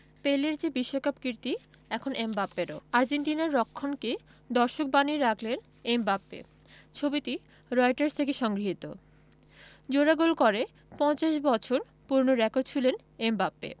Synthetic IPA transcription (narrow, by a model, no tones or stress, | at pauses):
peleɾd͡ʑebiʃːokapkɾiɾt̪iɛkʰonembapːeɾo̰aɾd͡ʑenʈinaɾːɔkʰːonke | d̪ɔɾʃok̚baniɾakʰlen | embapːḛ | t͡ɕʰobit̪i | ɾɔjʈaɾst̪ʰekeʃɔŋɡɾiɦit̪o̰ | d͡ʑoɾaɡolkɔɾe | pɔ̃nt͡ɕaʃbɔt͡ɕʰoɾ | puɾnoɾɛkoɾɖ̚t͡ɕʰulen | embapːḛ